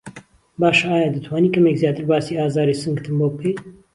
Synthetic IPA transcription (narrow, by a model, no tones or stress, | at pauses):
baːʃaːjaːd̪ɐt̪ʰwaːniːkɐmeːkzjaːt̪ɨɾbaːsiaːzaːɾisɨŋɡt̪ʰɨmboːpʰej